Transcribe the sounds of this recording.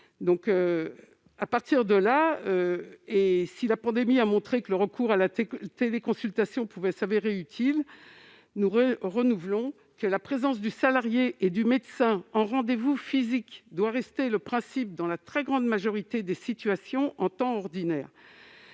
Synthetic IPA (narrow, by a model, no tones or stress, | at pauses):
d̪ɔ̃kø | apaʁt̪iʁd̪əlaøesilapɑ̃d̪emiamɔ̃t̪χekələʁəkuʁalat̪elekɔ̃sylt̪asjɔ̃puvɛsaveʁeyt̪ʰil | nuʁənuvlɔ̃ | kəlapχezɑ̃sd̪ysalaʁjeʔed̪ymed̪sɛ̃ɑ̃ʁɑ̃d̪evufizikd̪waʁɛst̪eləpχɛ̃sip̚d̪ɑ̃lat̪χɛɡʁɑ̃d̪maʒɔʁit̪ed̪esit̪ɥasjɔ̃ʔɑ̃t̪ɑ̃ɔʁd̪inɛːʁ